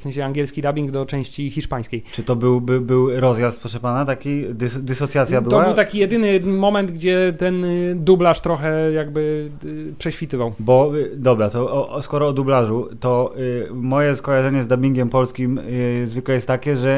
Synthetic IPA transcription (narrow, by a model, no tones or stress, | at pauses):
fsɛ̃ɕɛaŋɡʲjɛlskʲid̪abʲiŋɡd̪ɔt͡ʂɛ̃w̃ɕt͡ɕixʲiʂpaj̃skʲejt͡ʂɘt̪ɔbɘwbɘbɘwɾɔzjast̪̚pɔʂɛpanat̪akʲid̪sd̪ɘsɔt̪sʲjat̪sʲjabɘt̪ɔabɘwt̪akʲijɛd̪ɘnɘmɔmɛnd̪ɡd͡ʑɛt̪ɛnd̪ublaʂt̪ɾɔxɛjaɡbɘ | pʂɛɕfʲit̪ɘvawbɔd̪ɔbɾat̪ɔɔskɔɾɔːd̪ublaʐut̪ɔ | mɔjɛskɔjaʐɛɲɛzd̪abʲiŋɡʲɛmpɔlskʲimzvɘklɛjɛst̪ːakʲɛʐɛ